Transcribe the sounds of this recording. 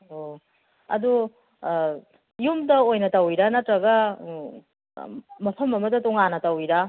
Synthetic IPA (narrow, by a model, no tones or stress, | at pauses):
o | ɐ̰du | jumdɐojnɐtɐwiɾɐnɐtɾɐɡɐ | mɐpʰɐmɐmɐdɐtɔŋanɐtɐwiɾɐ